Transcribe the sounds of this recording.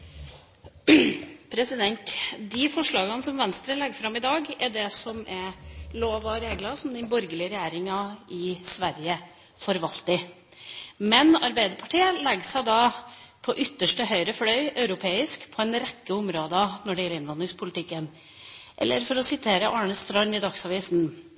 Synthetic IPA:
pʰɾɛsɪd̪ɛnt̪d̪ɪfɔʂɭɑːɡənsɔmʋɛnst̪ɾəlɛɡfɾɑmɪd̪ɑːɡɛɖɛsɔmɛɾloːʋɑɾeːɡlɑsɔmd̪ɪnbɔɾɡəlɪəɾɛjæːɾɪŋɑɪsʋæɾjə | fɔɾʋɑlt̪ɪ | mɛnɑɾbæɪd̪əpʰɑʈʰiːəlɛɡsæɪd̪ɑːpʰɔʔʏt̪ːəʂʈəɦœʏɾəflœʏœʉɾʊpʰeːɪskpʰɔɛnɾɛkːəʊmɾoːd̪ənɔɖɛjɛlɪnʋɑnd̪ɾɪŋspʰʊlɪt̪ʰɪkːən | ʔɛ̰lːəɾfɔɾɔsɪt̪ʰeːɾəʔɑːɳəst̪ɾɑʏnɪd̪ɑksɑːʋiːsn

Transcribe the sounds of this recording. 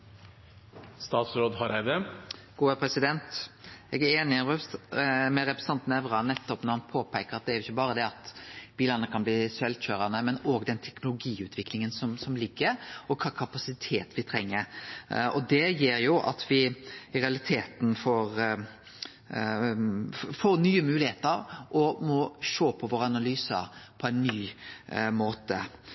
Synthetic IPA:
st̪ɑːt̪sɾoːd̪hɑɾæɪd̪əɡ̥uːɛpʰɾɛsɪd̪ɛnt̪ɛːɡæɾeːnɪɑɛ | mɛɾɛpɾɛsɑnt̪ənɛʋɾɑnɛt̪ːɔpnɔɾmɑnpʰoːpæɪkəɾɑt̪̚d̪ɛæɾʊɪçːəbɑːɾəd̪ɛɑt̪b̥iːlənəkʰɑnbliːsɛlçøːɾɑnəmɛnoːɡd̪ɛnt̪ʰɛknʊlʊɡiːʉːt̪ʰʋɪklɪŋənsɔmsɔmlɪɡːəɾɔkʰɑkʰɑpɑsɪt̪ʰeːt̪ʋɪt̪ʰɾɛŋːəɾɔd̪ɛjeːɾjʊʔɑ̰t̪ʰʋɪɪɾɛɑlɪt̪ʰeːt̪n̩foːɾ | foːɾnyːəmʉːlɪheːt̪əɾʔɔmɔʃoːpʰɔʋoːɾəɑnɑlyːsə̰ɾpʰɔæɪnːyː | moːt̪ə̰

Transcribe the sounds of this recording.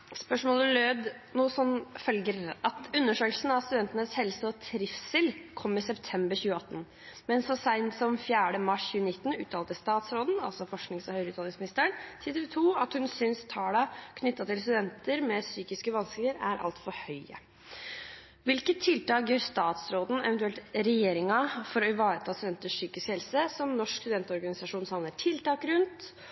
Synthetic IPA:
spœʂmoːləløːd̪ | nuːsɔmfœlɡəɾʔɑt̪ʉnːəʂøːklsn̩ɑʋst̪ʉd̪ɛnt̪ənəshɛlsəɔt̪ʰɾɪfsɪlkʰɔmːɪsɛpt̪ʰɛmbəɾçʉːəɑt̪ːn | mɛnsɔsæɪnsɔmfjæːɖəmɑʂçʉːənɪt̪ːən̩ʉːt̪ʰɑːlt̪əst̪ɑːt̪sɾoːd̪n̩ɑ̰lsɔfɔʂknɪŋsɔhœʏɾəʉːt̪ʰɑnɪŋsmɪnɪst̪əəɳt̪ʰɪt̪əlt̪ʰuːɑt̪hʉnsʏnst̪ʰɑːɽɑkʰnʏt̪ːɑt̪ʰɪls̬t̪ʉd̪ɛnt̪əɾmɛsyːkɪskəʋɑnsklɪəɾæɾʔɑ̰lt̪fɔɾhœʏə̰ | ʋɪlkət̪ʰːɪlt̪ɑːk̚jøːɾst̪ɑːt̪sɾoːd̪n̩ɛ̰ʋɛnt̪ʉɛlt̪ɾɛjeːɾɪŋɑfɔɾɔɪʋɑːɾət̪ʰɑːst̪ʉd̪ɛnt̪əʂsyːkɪskhɛlsəsɔmnɔʂkst̪ʉd̪ɛnt̪ɔɾɡɑnɪsɑʂuːnsɑmləʈʰɪlt̪ɑːkɾʉnt̪

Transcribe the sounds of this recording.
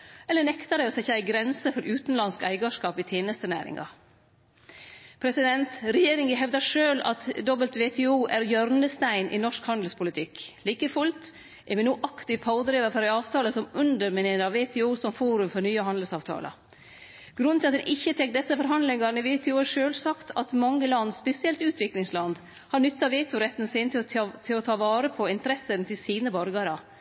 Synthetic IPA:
ɛlːənɛkt̪ɑd̪ɛɪɔsɛɪçæɪɡɾɛnsəfɔɾɾʉːt̪n̩lɑnskæ̰ɪɡɑʂkɑːpɪt̪ʰjeːnəst̪ənæ̰ːɾɪ̰ŋɑ̰ | pʰɾɛsɪd̪ɛnt̪ɾɛjeːɾɪŋəɦɛʋd̪ɑʂøːlɑ̰t̪d̪ɔbəlt̪ʋeːt̪ʰɛːuːʔæɾjœɾnəst̪æɪnʔɪ̰nɔʂkhɑnd̪l̩spʊlɪt̪ʰɪkliːkəfʉlt̪ | ʔɛɾmɛnuːʔɑkt̪ɪpʰɑʊd̪ɾeːʋəfɔɾæɪɑːʋt̪ʰɑːləsɔmʉnd̪əɾmɪnɪnəɾɑʋeːt̪ʰɛːuːsɔmfuːɾʉmfɔɾnyːəhɑnd̪əlsɑːʋt̪ʰɑ̰ːlʔɑ̰ | ɡ̥ɾʉnt̪ʰɪlɑt̪d̪ɛnʔɪçːət̪ʰɛk̚t̪̚d̪ɛsːəfɔɾɦɑnd̪lɪŋɑɾn̩əʋeːt̪ʰɛːuːʂøːlsɑkt̪ʰɑt̪mɑŋːəlɑnːspɛsɪɛlt̪ʉːt̪ʰʋɪklɪŋslɑnd̪ | hɑɾnʏt̪ːɑʋeːt̪ʰʊɾɛt̪ːn̩sɪnt̪ʰɪt̪ʰɪlɔt̪ʰɑːʋɑːɾəpʰɔɪnt̪əɾɛsənt̪ʰɪlsiːnəbɔɾɡɑɾɑ

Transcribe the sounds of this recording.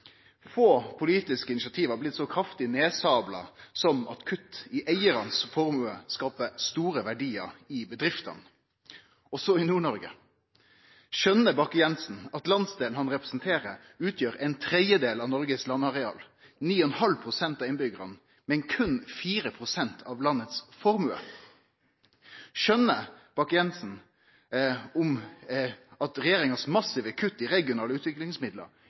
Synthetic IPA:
foːpʰʊliːt̪ɪskəɪnɪʃɑt̪ʰiːʋɑːblɪt̪ːsɔkʰɾɑft̪ɪneːsɑːblɑ̰sɔmɑ̰t̪kʰʉt̪ːɪʔæɪəɾɑnsfɔɾmʉːəskɑːpəst̪uːɾəʋæɖiːə̰ɾɪbəd̪ɾɪft̪ɑ̰n | ɔsɔɪnuːɳɔɾɡə̰ | ʃœnːəbɑkːjɛnsn̩ɑt̪lɑnsd̪eːln̩hɑnʁɛpɾɛsnt̪ʰeːɾə | ʉːt̪ʰjøːɾɛɪnt̪ʰɾɛd̪jəd̪eːlɑʋnɔɾɡəslɑnːɑʁɛɑ̰ːl | niːɔnhɑlpʰʁʊsɛnt̪ɑːʋɪnbʏɡəɾə̰n | mɛnkʰʉnfiːɾəpʰɾʊsɛnt̪ʰɑʋlɑnːət̪sfɔɾmʉə̰ | ʃœnːə | b̥ɑkːjɛnsn̩ | ʊm | ɑt̪ɾɛjeːɾɪŋɑsmɑsɪʋəkʰʉt̪ːɪɾɛɡɪʊnɑːləʉːt̪ʰʋɪklɪŋsmɪd̪lə̰ɾ

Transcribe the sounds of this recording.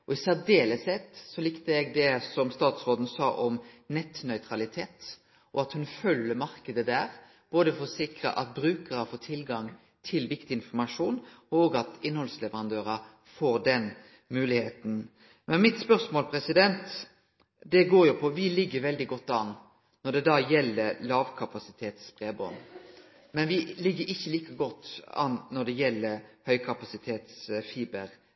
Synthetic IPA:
ɔɪsæd̪eːləshɛt̪sɔlɪkt̪əɛɡd̪ɛsɔmst̪ɑːt̪sʁoːd̪n̩sɑːʔɔmnɛt̪nœʏt̪ʰɾɑlɪt̪ʰeːt̪ | ɔɑt̪hʉnfœlːəmɑɾkəd̪əd̪æːɾ | b̥oːd̪əfɔsɪkɾə̰ʔɑt̪̚bɾʉːkəɾəfoːt̪ʰɪlɡɑŋ | t̪ʰɪlʋɪkt̪ɪɪnfɔɾmɑʂuːnoːɡɑt̪ɪnːhɔlslɛʋəɾɑnd̪øːɾɑ | foːɾd̪ɛn | mʉːlɪheːt̪n̩ | mɛnmɪt̪spœɾsmoːlpʰɾɛsɪd̪ɛnt̪ | d̪ɛɡoːɾjʊpʰɔʋɪlɪɡːəɾʋɛld̪ɪɡɔt̪ːɑn | nɔɖ̪ɛd̪ɑːjɛlːəlɑːʋkʰɑpɑsɪt̪ʰeːt̪sbʁeːbɔ̰n | mɛnʋɪlɪɡːəɾɪçːəliːkəɡɔt̪ːɑ̰nnɔd̪ɛjɛlːəɾhœʏkʰɑpɑsɪt̪ʰeːt̪sfiːbəɾ

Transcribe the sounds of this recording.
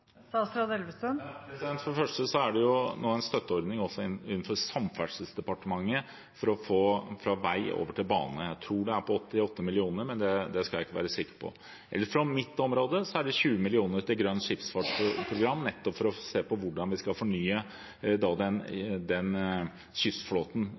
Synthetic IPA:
ɑst̪ɾɑd̪ɛlʋəsənpɾɛsɛnt̪fɔɖəɛfœʂʈəsɔæɖɛjʊnoːæɪnst̪œt̪ːəɔɾd̪nɪŋɔsːɔɪʉːən̩fɔɾsɑmfæɖʂəlsd̪ɛpɑʈəmɑŋːə | fɔɾɔfoːfɾɑʋæɪo̰ːʋəʈʰɪlbɑ̰ːnəjæɪt̪ʰɾuːɖɛæɾpʰɔɔt̪ːɪɔt̪ːəmɪlɪuːnəɾmɛnd̪ɛd̪ɛskɑljæɪkːəʋæ̰ːɾəsɪkːə̥pʰɔ̰ | ʔɛ̰lːəɾfɾɔmɪt̪ːɔmɾoːd̪əsɔæɖɛçʉːəmɪlɪuːnəɾt̪ɪlɡɾœnːʂɪfsfɑːʈpʰɾʊɡɾɑmːnɛt̪ːɔpfɔɾɔseːpɔʋʊɖɑnʋɪskɑlfɔɳyːə | d̪ɑd̪ɛnd̪ɛn | ɕʏfsfloːt̪n̩

